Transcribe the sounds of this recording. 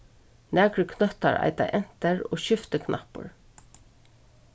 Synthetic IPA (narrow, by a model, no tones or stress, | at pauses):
næːɡɾəkʰnœt̪ɑɹæ̰ɪt̪ɑ̰ʔɛnt̪əɹoːʃʏft̪əkʰnʔɑ̰pʊ̰ɹ